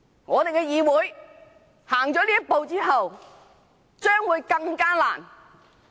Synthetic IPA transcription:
ŋɔː˨˧t̪e˨jkɛː˧jiː˨˧wuː˨˥j | haː˨˩ŋt͡ʃɔː˨˥liː˥ɐ˥t̚po˨˧wt͡siː˥ɦɐ˨w | t͡ʃœː˥ŋwuː˨˧jkɐ˧ŋkaː˥la̰ː˨˩n

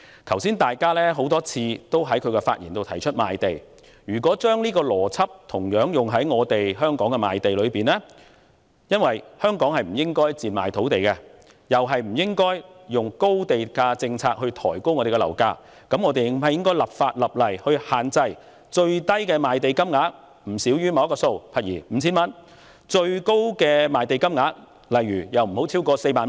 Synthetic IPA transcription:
k̪ʰɐ˨˩wsiː˥nt̪aː˨jkaː˥lɛː˥ɦo˨˥wt̪ɔː˥t͡sʰiː˧t̪o˥wɦɐ˨˥jkʰɵ˨˧kɛ˧fa̰ː˧t̚jiː˨˩nt̪o˨wt̪ʰɐ˨˩jt͡ʃʰɵ˥t̚ma̰ː˨jt̪e˨j | jyː˨˩kʷɔː˨˥t͡ʃœː˥ŋliː˥kɔː˧lɔː˨˩t͡sʰɐ˥p̚t̪ʰʊ˨˩ŋjœː˨˥ŋjʊ˨ŋɦɐ˨˥jŋɔː˨˧t̪e˨jɦœː˥ŋkɔː˨˥ŋkɛ˧ma̰ː˨jt̪e˨jlɵ˨˧ɥpiː˨˩nlɛː˥ | jɐ˥nwɐ˨jhœː˥ŋkɔː˨˥ŋhɐ˨jm̩˨˩jɪ˥ŋkɔː˥jt͡siː˨nma̰ː˨jt̪ʰo˨˥wt̪e˨jkɛ˧ | jɐ˨wɦɐ˨jm̩˨˩jɪ˥ŋkɔː˥j | jʊ˨ŋko˥wt̪e˨jkaː˧t͡sɪ˧ŋt͡sʰaː˧k̚hɵ˧t̪ʰɔː˨˩jko˥wŋɔː˨˧e˨˩kɛ˧lɐ̰˨˩wkaː˧ | kɐ˨˥mŋɔː˨˧t̪e˨jhɐ˨jɪ˥ŋk̬ɔː˥lɐ˨˩p̚faː˧t̚lɐ˨p̚lɐ˨˩jhɵ˧ɥhaː˨nt͡sɐ˧j | t͡ʃɵ˧ɥt̪ɐ˥jkɛː˧maː˨jt̪e˨jkɐ˥mŋaː˨˥k̚ | m̩˨˩siː˨˥wjyː˥mɐ˨wkɔː˧so˧wpʰɐ˨t̚jiː˨˩m̩ː˨˦t͡sʰiː˥nmɐ˥n | t͡ʃɵ˧ɥko˥wkɛː˧maː˨jt̪e˨jkɐ˥mŋaː˨˥k̚ | lɐ˨jɥyː˨˩jɐ˨wm̩˨˩ho˨˥wt͡sʰiː˥wkɔː˧se˧jmaː˨n

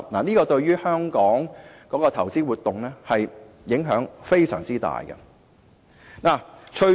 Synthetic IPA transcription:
naː˨˩niː˥kɔː˧t̪ɵ˧ɥɥyː˥hœː˥ŋkɔː˨˥ŋkɔː˨˥kɔː˧t̪ʰɐ˨˩wt͡siː˥wuː˨t̪ʊ˨ŋlɛː˥hɐ˨j | jɪ˨˥ŋɦœː˨˥ŋfe˥jsœ̰ː˨˩ŋt͡siː˥t̪a̰ː˨jɡɐ̰˧ | naː˨˩t͡ʃʰɵ˧

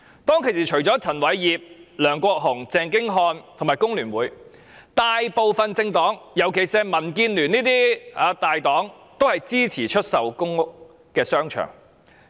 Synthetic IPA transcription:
t̪ɔː˥ŋkʰe˨˩siː˨t͡ʃʰɵ˨˩ɥt͡sɔː˨˥t͡sʰɐ˨˩nwɐ˨˥jjiː˨p̚lœː˨˩ŋkʷɔː˧k̚ɦʊ˨˩ŋt͡sɛː˧ŋk̬ɪ˥ŋɦɔː˧nt̪ʰo˨˩ŋmaː˨˩jkʊ˥ŋlyː˨˩nwuː˨˥j | t̪aː˨˧jpo˨˧wfɐ˨nt͡sɪ˧ŋt̪ɔː˨˥ŋjɐ˨˩wkʰe˨˩jsɛː˧mɐ˨˩nkiː˧nlyː˨˩niː˥t̪iː˥aː˨˧t̪aː˨jt̪ɔː˨˥ŋ | t̪o˥whɐ˨jt͡siː˥t͡sʰiː˨˩t͡ʃʰɵ˥t̚sɐ˨wkʊ˥ŋʊ˥k | kɛː˧sœː˥ŋt͡ʃʰœ̰ː˨˩ŋ

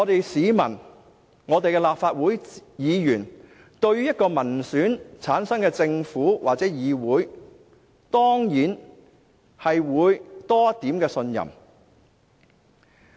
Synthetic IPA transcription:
ŋɔː˨˧t̪e˨jsiː˨˧mɐ˨˩n | ŋɔː˨˧t̪e˨jkɛ˧laː˨p̚faː˧t̚wuː˨˥jjiː˨˧jyː˨˩n | t̪ɵ˧ɥyː˥jɐ˥t̚kɔː˧mɐ˨˩nsyː˨˥nt͡sʰaː˨˥nsɐ˥ŋkɛː˧t͡sɪ˧ŋfuː˨˥waː˨t͡sɛː˨˥jiː˨˧wuː˨˥j | t̪ɔː˥ŋjiː˨˥n | hɐ˨jwuː˨˧jt̪ɔː˥ɐ˥tt̪ːiː˨˥mkɛː˧sɵ˧njɐ̰˨˩m

